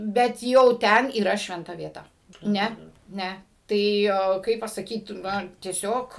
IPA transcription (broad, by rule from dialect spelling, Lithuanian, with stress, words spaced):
bʲɛt ˈjɛʊ ˈtʲɛn iːˈrɐ ʃʲʋʲɛnˈtɐ ʋʲiɛˈtɐ ˈnʲɛ ˈnʲɛ ˈtɐɪ ˈoː ˈkɐɪp pɐsɐˈkʲiːt ˈnʊ tʲiɛˈsʲoːk